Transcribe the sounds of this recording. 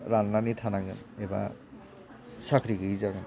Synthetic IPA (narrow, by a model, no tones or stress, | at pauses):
ɾanːanitʰanaɡɯ̰nɛba̰ | sakʰɾiɡɯzaɡɯn